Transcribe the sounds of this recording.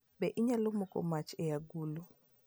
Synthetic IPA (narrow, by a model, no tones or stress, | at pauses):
bɛʔiɲalomɔkɔ̰mat͡ʃɛjaɡulu